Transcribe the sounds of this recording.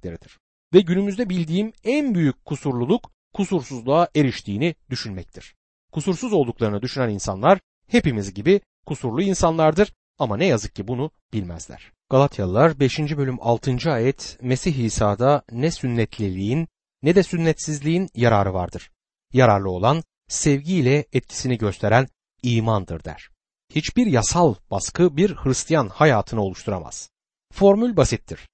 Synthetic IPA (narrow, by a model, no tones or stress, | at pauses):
lʲeɾid̪iɾ̥ | vɛɟynymyzd̪ɛbilʲd̪iːmænbyjyc̚kʰːusuɾlˠulˠuk | kʰːusuɾsuzlˠaaʔe̞ɾiʃt̪ʰiːnid̪yʃynmɛc̚t̪ʰiɾ̥ | kʰusuɾsuzo̞lˠd̪uklˠaɾɯnad̪yʃynæninsa̰nlˠaɾ | he̞pimizɟibi | kʰusuɾlˠuinsanlˠaɾd̪ɯɾ̥ | amanɛjazɯk̚cːibunu | b̥ilʲmæ̰zlʲæ̰ɾ̥ | ɡ̥alˠat̪ʰjalˠaɾbe̞ʃind͡ʒibø̞lʲymʔa̰lˠt̪ʰɯnd͡ʒɯaːjɛt̪ʰme̞siçiːsaːd̪anɛsynːɛt̪ʰlʲilʲiinː | ɛd̪ɛsynːɛt̪sizlʲiinjaɾaːɾɯva̰ɾd̪ɯɾ̥ | jaɾaɾlˠɯo̞lˠan | sɛvɟilʲɛɛt̪̚cʰi̥siniɟø̞st̪ʰe̞ɾæn | iːmand̪ɯɾd̪æ̰ɾ̥ | hit͡ʃbiɾjasalˠb̥askɯbiɾhɯɾist̪ʰijanhajaːt̪ʰɯnɯo̞lˠuʃt̪ʰuɾa̰ma̰z̥ | fo̞ɾmylʲbasit̪ʰːiɾ̥